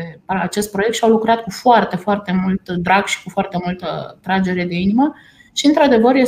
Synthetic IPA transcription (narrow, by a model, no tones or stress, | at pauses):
at͡ʃe̞st̪̚pɾo̞jekt̪ʃawlukɾat̪̚kufoart̪e̞foart̪e̞mult̪d̪ɾaɡʃi̥kufoart̪e̞mult̪ə̰t̪ɾad͡ʒe̞ɾe̞d̪e̞inimə | ʃiɨnt̪ɾad̪e̞vəɾje